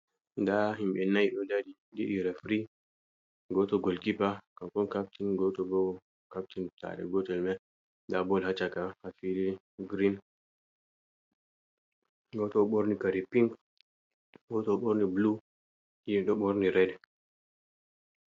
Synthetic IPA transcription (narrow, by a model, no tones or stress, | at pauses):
ndaɦimɓɛnajɗɔdadi | diʔiɾɛfɾi | ɡɔtɔɡɔlkipakakɔnkap̚tinɡɔtɔbɔ | kap̚tinta̰ɗɛ̰ɡɔtɔlmɛ | ndabɔlhat͡ʃakahafidi | ɡɾin | ɡɔtɔɓoɾnikaɾipiŋk | ɡɔtɔɓoɾniblu | iɗɔɓoɾniɾɛdɛ